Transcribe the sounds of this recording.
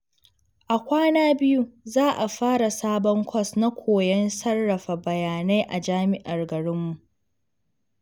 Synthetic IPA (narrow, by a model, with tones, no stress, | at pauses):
ʔa˨kʷaː˦naː˦bɪ˦ju˦zaː˦ʔa˨ɸaː˦ɽa˨saː˦bɔ˦ŋkʷʰɔ˦˨sna˦kʷʰoː˨jɐ˦nsɐ˦rːɐ˨ɸa˨bɐ˨jaː˨na˦jʔa˨d͡ʒaː˦mɪ˦ʔa˨rɡɐ˨ɽɪ˦mːu˨ʔ